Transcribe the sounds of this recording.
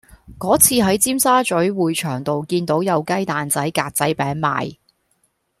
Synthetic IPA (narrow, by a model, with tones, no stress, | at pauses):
kɔː˨˥t͡sʰiː˧ɦɐ˨˥jt͡siː˥msaː˥t͡ʃɵ˨˥ɥwuː˨˧jt͡ʃʰœː˨˩ŋt̪o˨wkiː˧nt̪o˨˥wjɐ˨˧wkɐ˥jt̪aː˨nt͡sɐ˨˥jkaː˧t̚t͡sɐ˨˥jpɛː˨˥ŋma̰ː˨j